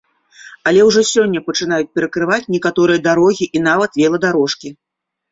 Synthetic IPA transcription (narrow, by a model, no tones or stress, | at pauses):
ɐlʲɛwʐɔsʲɔnʲːɐpɐt͡ʂɨn̪ajut͡sʲpʲɛɾɐkɾɨvat͡sʲnʲɛkat̪ɔɾɨjɐd̪aɾɔɣʲiʔinavɐt̪vʲɛlˠɐd̪aɾɔʂkʲi